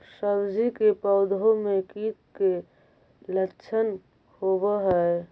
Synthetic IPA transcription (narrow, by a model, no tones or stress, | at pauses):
səbd͡ʒikepɔʊd̪omẽkiːt̪̚ke | lətːʃʰən | howaɦɛ